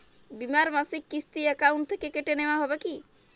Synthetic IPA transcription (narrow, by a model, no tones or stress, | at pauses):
bimaɾmasikːist̪iəkawɳʈ̚t̪ʰekekeʈeneʋaɦɔbeki